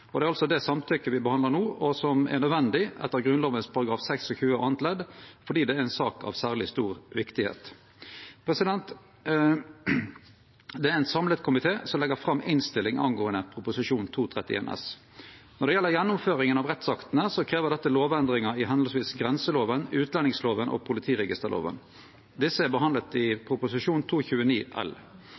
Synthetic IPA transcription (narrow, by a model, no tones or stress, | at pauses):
ɔd̪ɛæɾɑlsɔd̪ɛsɑmt̪ʰʏkːəʋɪbəhɑnd̪lənuːɔsɔmɛ̰nœd̪ʋɛnd̪ɪʔɛ̰t̪ːəʁɡɾʉnloːʋənspʰɑɾɑɡɾɑːfsɛksɔçʉːəʔɑnt̪lɛd̪fɔɖiːd̪ɛːɛnsɑːkɑ̰ʋsæːʁlɪst̪uːʁʋɪkt̪ɪhḛːt̪ | pʰʁɛsɪd̪ɛnt̪ | d̪ɛæɛɪt̪sɑmlət̪kʰʊmɪt̪ʰeːsɔmlɛɡəfʁɑmːɪnst̪ɪlːɪŋɑ̰nɡoːənəpʰɾʊpʊsɪʂuːnt̪ʰuːt̪ʰʁɛt̪ːɪʔḛːnɛ̰s | nɔʁɖ̪ɛjɛlːəʁjɛnːʊmføːʁɪŋənɑʋʁɛt̪sɑkt̪ənəsɔkʰʁeːʋəʁd̪ɛt̪ːəloːʋɛnd̪ʁɪŋəɪɦɑnd̪̩sʋiːsɡʁɛnsəloːʋənʉːt̪lɛnɪŋsloːʋənʔɔ̰pʰʊlɪt̪ʰiːʁɛɡɪst̪əʁlʔo̰ːʋə̰n | d̪ɪsːəæʁbəɦɑnd̪lət̪ɪpʰɾʊpʊsɪʂuːnt̪ʰuːçʉːəniːʔɛ̰l